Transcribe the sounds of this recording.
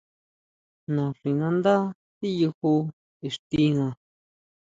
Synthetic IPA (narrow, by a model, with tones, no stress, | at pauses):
nã˨ʂi˨nã˧nd̪a˦ | t̪i˦ju˧hu˧ | e˨ʂt̪i˧ŋã˧˨